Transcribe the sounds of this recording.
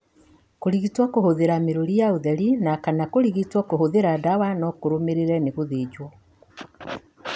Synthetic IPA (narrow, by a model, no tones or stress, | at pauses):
koɾiɣitwakohoðeɾameɾoɾijaoðɛɾinakanakoɾiɣitwakoɦoðeɾadawanɔkoɾomeɾeɾɛneɣoðeːd͡ʑwɔ